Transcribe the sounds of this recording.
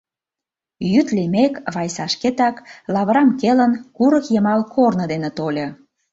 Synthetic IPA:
jyt̪limekβɑjsɑʃket̪ɑklɑβɾɑmkelənkuɾə̆kjə̆mɑlkʰornɤ̆d̪enĕt̪olʲɤ

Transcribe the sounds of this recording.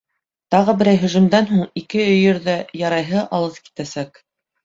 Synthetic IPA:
t̪ɑʁɤbɘ̆ɾæjɦɵ̆ʒɘ̆md̪ænɦuɴikɘɵ̆jɘ̆ɾðæjɑɾɑjɦɤʔɑlˠɤpki̥t̪æsæk

